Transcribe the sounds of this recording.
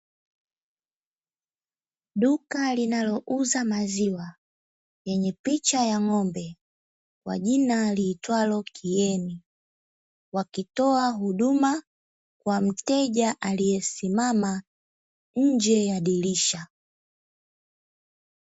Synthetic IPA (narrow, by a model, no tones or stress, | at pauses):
ɗukalinalɔʔuzamaziwa | jɛɲɛpit͡ʃajaŋɔmbɛ | kwa̰ʄinaliːtwalɔkʰijɛni | wakitɔaɦuɗuma | kwam̩tɛʄaʔalijɛsimama | ɲ̩d͡ʒɛjaɗiliʃa